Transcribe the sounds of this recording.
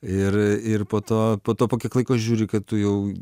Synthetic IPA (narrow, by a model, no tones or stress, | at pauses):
ɪrɪrpoːt̪oːpoːt̪oːpoːkʲɛklˠɐɪkoːʒʲuːɾʲɪkɐt̪t̪ʊjɛʊ